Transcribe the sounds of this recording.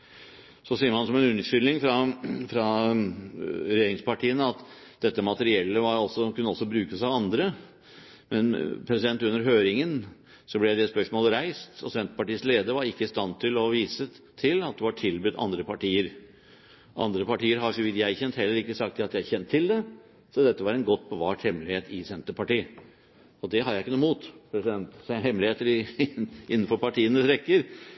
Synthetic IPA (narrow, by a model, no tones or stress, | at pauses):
sɔsiːəɾmɑnsɔmɛnʉnʂʏlnɪŋfɾɑfɾɑ | ɾɛjeːɾɪŋspɑʈʰiːənəɑt̪d̪̥ɛt̪ːəmɑt̪əɾɪɛlːəʋɑɾɔsɔkʰʉnːəɔsːɔbɾʉːkəsɑʋɑnd̪ɾə | mɛnpʰɾɛsɪd̪ɛnt̪ʉnːəɾɦøːɾɪŋən | sɔblɛjæd̪ɛspœʂmoːlɾæɪst̪ɔsɛnt̪ə̥pɑʈiːəsleːd̪əʋɑɾɪkːəɪst̪ɑnt̪ʰɪlɔʋiːsə | t̪ʰɪlɑt̪̚d̪ɛʋɑʈʰɪlbʉd̪ɑ̰nd̪ɾəpʰɑʈiːəɾ | ʔɑ̰nd̪ɾəpɑʈiːəɾɦɑɾʂɔʋɪt̪jæɪçɛnt̪hɛlːəɾɪkːəsɑkt̪jɑt̪jæçɛnt̪ʰːɪld̪ɛ | sɔd̪ɛt̪ːəʋɑɾɛɪnɡɔt̪ːbəʋɑːʈhɛmːlɪheːt̪ɪsɛnt̪əpɑʈiː | ɔd̪ɛɦɑd̪jæɪkːənuːmuːt̪pʰɾɛsɪd̪ɛnt̪shɛmlɪheːt̪əɾɪʔɪnːənfɔɾpɑʈʰiːənəsɾɛkːəɾ